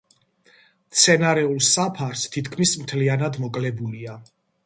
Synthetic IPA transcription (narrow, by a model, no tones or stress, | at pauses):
t̪sʰɛnaɾɛulˠsapʰaɾst̪ʰit̪ʰkʰmismt̪ʰlianad̪mɔkʼlɛbulia